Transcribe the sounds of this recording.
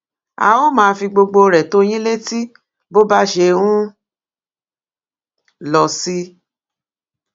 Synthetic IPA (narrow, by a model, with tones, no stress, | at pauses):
a̰˧o˦mãː˧˦fi˧ɡ͡bo˧ɡ͡bo˧ɾɛ˨to˦j̃ĩ˦le˦ti˦ | bo˦ba˦ʃe˧ɾũ˦ | lɔ˨si˦